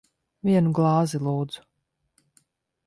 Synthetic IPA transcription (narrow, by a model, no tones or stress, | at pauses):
viɛnuɡlˠɑːzilˠuːd̪z̥u̥